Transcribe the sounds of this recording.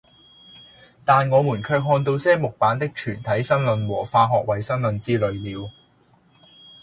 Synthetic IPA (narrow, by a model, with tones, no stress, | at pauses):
t̪aː˨nŋɔː˨˧muː˨˩nkʰœː˧k̚ɦɔː˧nt̪̬o˧wsɛː˥mʊ˨k̚paː˨˥nt̪ɪ˥k̚t͡ʃʰyː˨˩nt̪ʰɐ˨˥jsɐ˥ŋlɵ˧nwɔː˨˩faː˧ɦɔː˨k̚wɐ˨jsɐ˥ŋlɵ˧nt͡siː˥lɵ˨ɥliː˨˧w